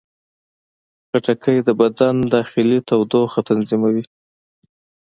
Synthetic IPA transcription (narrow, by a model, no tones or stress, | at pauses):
xaʈakʰəjd̪əbad̪and̪ɑxɪlit̪awd̪oxat̪anzimawi